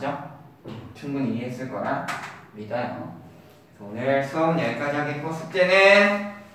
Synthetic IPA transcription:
d͡ʑʌ | itʰuŋbuniɦes͈ɯɭk͈ʌɾamidajo̰ | onɯɭsʰoŋjeɭk͈ad͡ʑiɦaɡekosʰɯ̥t͈enɯn

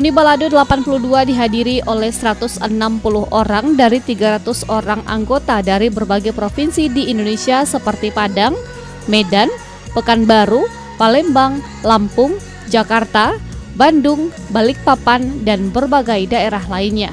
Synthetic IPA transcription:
unibaladodəlapanpuluhduadiɦadiɾiʔolɛhsəɾat̪ʊsənampulʊhʔoɾaŋdaɾit̪iɡaɾat̪ʊsoɾaŋʔa̰ŋɡot̪adaɾibərbaɡajpɾofinsidiːndonesiasəpərt̪ipadaŋ | medan | pəkanbaɾu | palɛmbaŋ | lampʊŋ | d͡ʒakart̪abandʊŋ | balɪk̚papandanbərbaɡajdaeɾaɦlainɲa

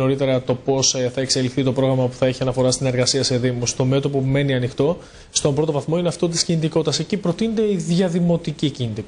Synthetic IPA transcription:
no̞ɾit̪e̞ɾɐt̪o̞po̞sθɐekse̞lifθit̪o̞pɾo̞ɣɾɐmɐpu̥θɐeçiɐnɐfo̞ɾɐst̪ine̞ɾɣɐsiɐse̞ðimust̪o̞me̞t̪o̞pume̞niɐnixt̪o̞ | st̪o̞bɾo̞t̪ovɐθmo̞ineɐft̪o̞t̪̬i̥scinit̪iko̞t̪t̪ɐsecipɾo̞t̪inet̪e̞iðʝɐðimo̞t̪icicint̪i

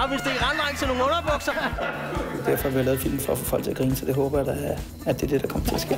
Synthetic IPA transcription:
ɑʋe̝sd̥eʁɑnlɑ̈ɪnt͡sʰeno̝ːŋn̩ɔnɐb̥ɔɡ̥sɐ | d̥æɐ̰fɒæʋilɛːð̩ˠfil̰mn̩fɒfɔfɒl̰̥̚t͡sʰe̝ɐɡ̥ʁiːnəsɒd̥e̝ɦɔːb̥ɐjd̥ɑæ | æd̥e̝d̥e̝d̥ɑ̈kʰɒ̽mɐt͡sʰe̝lɐsɡ̥ḛː

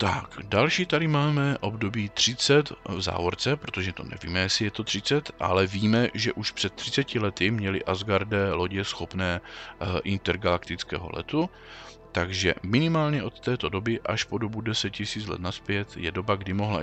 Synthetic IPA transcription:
t̪a̰kdalʃiːt̪aɾɪmaːmɛʔo̞bdo̞biːt̪r̥ɪt͡sɛt̪vza̰ːvoɾt͡sɛpɾo̞t̪o̞ʒɛt̪o̞̰nɛ̰vḭːmɛjɛsɪjɛt̪o̞t̪r̥ɪt͡sɛt̪ʔa̰lɛviːmɛʒɛʔuʃpr̥ɛt̪ːr̥ɪt͡sɛcɪlɛt̪ɪmɲɛlɪ̰ʔazɡaɾdɛːlo̞ɟɛsxo̞pnɛːʔɪnt̪ɛɾɡalakt̪ɪt͡skɛ̰ːɦo̞̰lɛ̰t̪u | t̪aɡʒɛ̰mɪnɪmaːlɲɛʔo̞t̪ːɛːt̪o̞do̞bɪʔaʃpo̞do̞budɛsɛt̪̚cɪsiːt͡slɛ̰t̪naspjɛt̪jɛ̰do̞baɡdɪmo̞ɦla̰

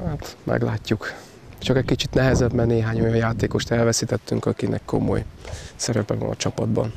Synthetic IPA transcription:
hat̪mʔɛ̰ɡlaːcːuk | t͡ʃɒkɛckit͡ʃit̪nɛɦɛzɛbmɛneːɦaːɲo̞jɒjjaːt̪eːko̞ʃt̪ɛlvɛsit̪ɛt̪ːyŋkɒkinʔɛ̰kːo̞̰mo̰jsɛɾɛpɛvɒ̰nɒ̰t͡ʃɒpɒd̪bɒ̰n

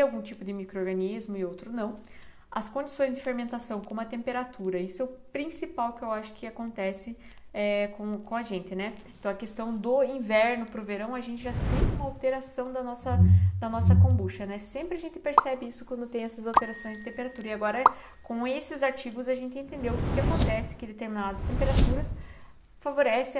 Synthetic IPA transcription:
awɡũt͡ʃipʊd̪ɪmikɾoɾɡɐnizmʊɪowt̪ɾʊnɐ̃w̃ | ɐskõd͡ʒisõj̃zd͡ʒ̪ɪfeɾmẽnt̪asɐ̃w̃kõmʊɐt̪ẽmpeɾat̪uɾɐisʊɛʊpɾĩsipawkɪewaʃʊ̥kɪakõnt̪ɛsɪ | ɛkõkõɐʒẽnt̪ɪnɛẽnt̪ɐ̃w̃ɐkest̪ɐ̃w̃d̪ʊĩvɛɾnʊpɾʊveɾɐ̃w̃ɐʒẽnt̪ɪʒasẽũmɐawt̪eɾasɐ̃w̃d̪ɐnɔsɐd̪ɐnɔsɐkõbuʃtɐnɛsẽmpɾɪaʒẽnt̪ɪ̥peɾsɛbɪisʊkwɐ̃nd̪ʊt̪ẽj̃ɛsɐzawt̪eɾasõj̃zd͡ʒ̪ɪt̪ẽmpeɾat̪uɾɐɪaɡɔɾɐ | kõesɪzaɾt͡ʃiɡʊzɐʒẽnt̪ɪẽnt̪ẽnd̪ewʊkɪkɪakõnt̪ɛsɪ̥kɪd̪et̪eɾminad̪ɐst̪ẽmpeɾat̪uɾɐs | favoɾɛsɪ

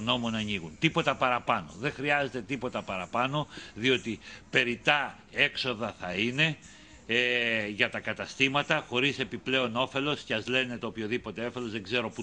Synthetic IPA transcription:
no̞mo̞nɐɲiɣunt̪ipo̞t̪ɐpɐɾɐpɐno̞̰ðe̞ŋxɾiɐze̞t̪e̞t̪ipo̞t̪ɐpɐɾɐpɐno̞ðio̞t̪ipe̞ɾit̪ɐ | e̞kso̞ðɐθɐine̞ | ʝɐt̪ɐkɐt̪ɐst̪imɐt̪ɐxo̞ɾise̞piple̞o̞no̞fe̞lo̞sceɐzle̞ne̞t̪eopço̞ðipo̞t̪e̞ofe̞lo̞zðe̞ɡze̞ɾo̞pu

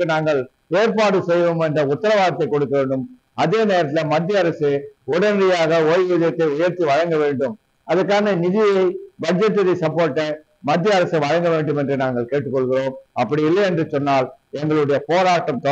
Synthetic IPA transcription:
ɯnaːŋɡɐɭ | eːɾpaːɽɯsɛjʋɯmɛndrɐʊt̪ːɐɾɐʋaːɣɐt̪ːɐɪkɔɽɯkːɐʋeːɳɖɯm | ɐðeːneːɾɐt̪̬ːɪlɐmɐd̪ːɪjɐɐɾɐseʊɽɐnɐɾɪjaːɣɐɔlʋɪðɐjɐt̪ːɐɪʊjɐɾt̪iʋɐɻɐŋɡɐʋeːɳɖɯm | ɐðɐɾkːaːnɐnɪðɪjɐɪbɐd͡ʒɛt̪ːɐðɐɪsɐpːoːɾʈːɐ | mɐt̪ːɪjɐɐɾɐsɐɪʋɐɻɐŋɡɐʋeːɳɖɯmɛndrɯnaːŋɡɐɭkeːʈːɯkːɔɭɣɪroːmɐpːɐɽiɪlːɐɛndrɯsɔnːaːlɛŋɡɐɭɯɽɐjɐpoːɾaːʈːɐmt̪ɐ

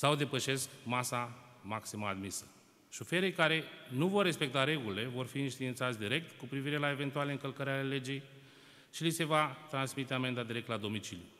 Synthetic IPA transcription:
sawd̪e̞pəʃe̞skmasamaksiməad̪misə̥ | ʃofe̞ɾejkaɾe̞nuvo̞rːe̞spe̞k̚t̪aɾe̞ɡulile̞vo̞rfiːnʃt̪int̪sat̪sʲd̪iɾe̞k̚t̪kupɾiviɾe̞lae̞ve̞nt̪ualeɨŋkəlkəɾʲale̞le̞d͡ʒe̞j | ʃilise̞vat̪ɾansmit̪e̞ame̞nd̪ad̪iɾe̞k̚t̪lad̪o̞mit͡ʃilju

